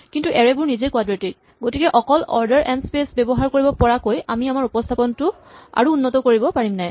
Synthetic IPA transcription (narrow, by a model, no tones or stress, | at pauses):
kintuʔɛɹɛbʊɹnizekwadɹetit̚ | ɡotikɛʔɔkɔlɔ̰ɹdɛɹʔɛndspesbɛbɔɦaɹkoɹibɔpɔɹakojamiamaɹupɔstʰapɔntʊ | a̰ɹuːnːɔtɔkoɹibɔpaɹimnaj